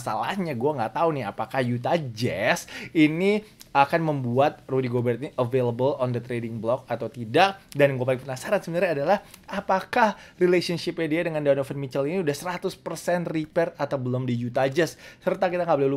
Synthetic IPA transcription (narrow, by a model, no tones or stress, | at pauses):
sa̰la̰hɲaɡuaŋɡaʔt̪aunɪɦapakahjut̪ad͡ʒɛsiniakanməmbuat̪̚rudiɡobərt̪iʔəveləbəlɔndət̪ɾedɪŋblɔk̚at̪awt̪idak̚danɡuapalɪpənasaɾansəbənaɾaːdalahapakahrilesɔnʃɪpediadəŋandawnofənmit͡ʃəliniudahsəɾat̪ʊspərsɛnripɛrat̪awbəlʊmdijut̪ad͡ʒɛsːərt̪akit̪aŋɡabəlɪlu